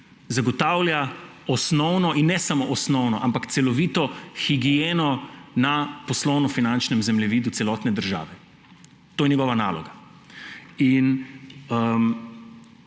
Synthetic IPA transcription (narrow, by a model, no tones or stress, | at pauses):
zaɡɔt̪awlja | ɔsnɔwnɔʔinːɛsamoʔɔsnɔwnɔʔampakt̪sɛlɔʋiːt̪ɔxiɡijeːnɔnapɔslɔwnɔfinant͡ʃnɛmzɛmlɛʋiːd̪ut̪sɛlɔːt̪nɛd̪əɾʒa̰ːʋɛ | t̪oːjɛnɲjɛɡɔʋana̰ːlɔ̰ɡa | inəm